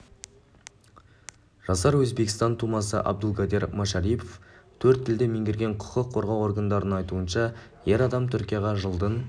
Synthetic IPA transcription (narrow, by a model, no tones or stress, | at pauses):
ʒ̥ɑsɑɾwɵzbe̞kʲɪ̥st̪ɑnt̪ʰumɑsə̰ʔɑ̰b̚d̪əlˠɡɑd̪e̞ɾmoʃɑɾijpʰoft̪ʰɵɾt̪ʰːɪld̪ɪmeŋɡʲɪɾɡʲe̞ɴqʰʊ̥qəqʰːo̞ɾʁɑwo̞ɾɡənd̪ɑɾənəɴɑjt̪uənʃɑ | je̞ɾɑd̪ɑmt̪ʰʏɾkʲijɑʁɑʒəlˠd̪ən